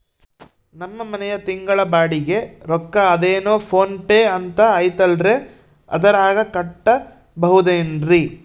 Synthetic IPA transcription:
nɐmːɐmɐnɛjɐt̪iŋɡɐɭɐbaːɽiɡe̞ɾɔkːɐːd̪eːnoːpʰo̞ːnʈeːɐnt̪ɐːjt̪ɐlɾe̞ | ɐ̰d̪ɐɾaːɡɐkɐʈːɐ | bɐɦud̪eːnɾi

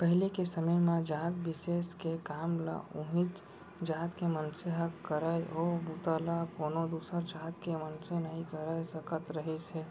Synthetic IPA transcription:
pəɦɪlekesəməmẽd͡ʒaːt̪bɪseːskekaːmla̰ʊɦĩt͡ʃ | d͡ʒaːt̪kemənseɦəkːəɾaeʔoːbut̪aːlakoːnod̪uːsəɾd͡ʒaːt̪kemənsenɐɦĩkəɾəesəkʰət̪ɾəɦiseː

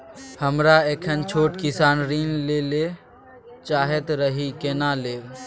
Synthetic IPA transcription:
həmɾaeːkʰənt͡ʃʰoːʈkɪsaːnɾiːnleːle | t͡ʃaːɦet̪ɾəɦikenaːleː

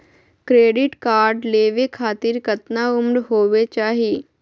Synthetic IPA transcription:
kɾeːɖɪʈkaːɾɖleːʋekʰaːt̪ɪɾkɐt̪naʊmɽɦoːʋet͡ʃaːɦiː

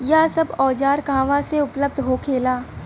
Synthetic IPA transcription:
jasɐbɔːd͡ʒaːɾkãːʋãseʊpləb̚d̪ʱɦoːkʰeːlaː

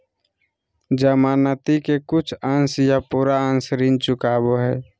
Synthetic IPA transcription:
d͡ʒəmaːnət̪ikekʊt͡ʃʰə̃nsjapuːɾaə̃nsɾint͡ʃʊkaːboɦɛː

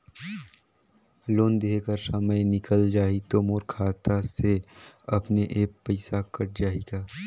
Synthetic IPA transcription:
loːnd̪eːkəɾsɐməjnɪkəld͡ʒaːit̪omoːɾkʰaːt̪aseɐpneʔeːkpəɪsakɐʈ̚d͡ʒaːeɡaː

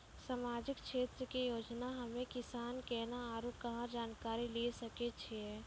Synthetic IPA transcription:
samaːd͡ʒɪkʃeːt̪ɾəkijoːd͡ʒnaɦɐmẽkɪsaːnkɛːnaaːɾuːʈkɐɦãd͡ʒaːnkaːɾilisɐket͡ʃʰe

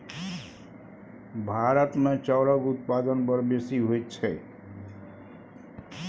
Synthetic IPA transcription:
bʱaɾət̪met͡ʃɔɾʌɡut̪̚pad̪ənbʌɾbesiɦojt͡ʃʰɛ

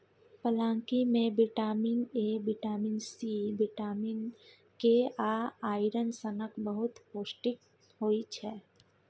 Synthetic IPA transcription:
pəlãːŋkimẽbiʈaːminebɪʈaːminsibiʈaːmin | keaaːɪɾənsənəkbəɦʊt̪poːsʈɪk | ɦoːit͡ʃʰɛː

